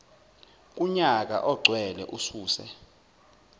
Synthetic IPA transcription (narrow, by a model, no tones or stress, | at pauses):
k̬ʼuɲak̬a̰ʔɔɡ͡ǀʱwɛlɛ̰ʔusuːsɛ̰